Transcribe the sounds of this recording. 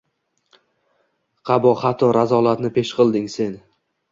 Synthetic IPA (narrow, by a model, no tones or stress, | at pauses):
qʰɑbɒχat̪ʰɒɾazɒlˠat̪nɪpʰe̞ʃqʰɨlˠd̪ɪŋse̞n